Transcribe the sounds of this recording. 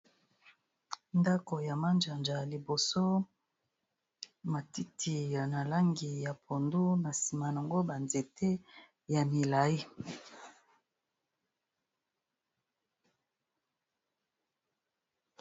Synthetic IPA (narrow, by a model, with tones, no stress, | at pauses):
nda˦ko˨ja˨ma˦nd͡ʒa˨nd͡ʒa˨li˨bo˨so˦ | ma˨ti˦tʰi˨ja˨na˨la˦ŋɡi˨ja˨pʰo˨ndu˦na˨si˨ma˨na˨ŋɡo˦ba˨nze˨tʰe˦ | ja˨mi˨la˨i˦